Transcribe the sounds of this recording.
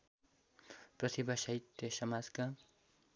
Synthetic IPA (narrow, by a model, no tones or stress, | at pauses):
prʌt̪ʰibasʌɦit̪ːʌsʌmad͡zka